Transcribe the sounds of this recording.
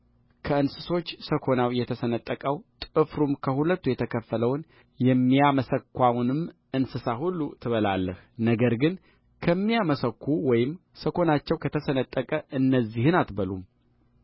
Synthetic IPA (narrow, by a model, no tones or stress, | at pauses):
kʰəɨnsɨso̞t͡ʃːsəkʰo̞nawjɛt̪ʰəsənət̪ʼːəkʼəwt̪ʼɨfɾumkʰəhulət̪ːujɛt̪ʰəkʰəfːələwn | jɛmːiaməsəkʰːʷawnɨm | ɨnsɨsaɦulːut̪ʰɨβəla̰lːəh | nəɡəɾɡɨn | kʰəmːijaməsəkʰːuwɔjɪmsəkʰo̞nat͡ʃːɛwkʰət̪ʰəsənət̪ʼːəkʼəʔɨnːəzːihɨnat̪bəlum